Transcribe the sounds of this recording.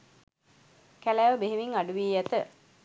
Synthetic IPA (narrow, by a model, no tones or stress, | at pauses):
kælæːʋəbeɦeʋiŋaɖuʋiːjæt̪ə